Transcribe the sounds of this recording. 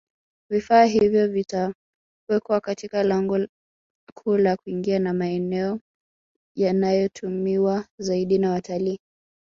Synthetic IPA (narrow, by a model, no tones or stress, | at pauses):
vifaːɦivjɔvita | wɛkwakatikalaŋɡɔ | kʰuːlakuiŋɡianamaɛnɛɔ | janajɔtʰumiwazaiɗinawatʰaliː